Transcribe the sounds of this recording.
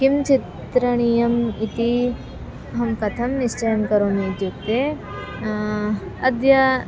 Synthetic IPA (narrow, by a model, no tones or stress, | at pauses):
kimt͡ʃit̪ | ɾɐɳijɐmit̪i | ɦɐmkɐt̪ʰɐmnist͡ʃɐjɐmkɐɾoːmit̪juk̚t̪e | ɐd̪jɐ